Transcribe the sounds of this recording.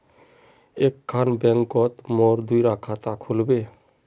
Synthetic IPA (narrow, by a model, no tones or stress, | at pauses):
ekʰːanbɛŋkɔt̪mɔɾd̪ujɾakʰat̪akʰolbe